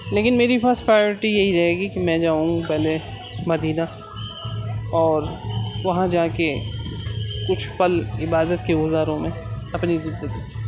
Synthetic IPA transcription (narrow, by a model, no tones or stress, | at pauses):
leːkɪnmeːɾipasʈpɾaːjoːɾɪʈijɐɦiɾɐɦeːɡikimɛ̃ːd͡ʒaːũpɛɦle | mɐd̪iːna | ɔːɾʋɐɦãd͡ʒaːke | kʊt͡ʃʰpɐlɪbaːd̪ət̪keɡʊzaːɾõmẽ | ɐpnizɪ̃nd̪əɡiːk